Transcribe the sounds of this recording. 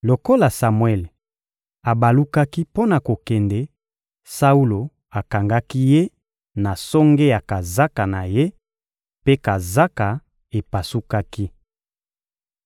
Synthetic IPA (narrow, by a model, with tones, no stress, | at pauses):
lo˨ko˦la˨sa˨mwɛ˦˨l | a˨ba˨lu˦ka˦ki˦po˦na˨ko˨kɛ˨ndɛ˦ | sa˦u˦lo˨ | a˨ka˨ŋɡa˦ki˦je˦ | na˨sɔ˦ŋɡe˦ja˨ka˨za˦ka˨na˨je˦ | pe˦ka˨za˦ka˨ | e˨pa˨su˦ka˦ki˦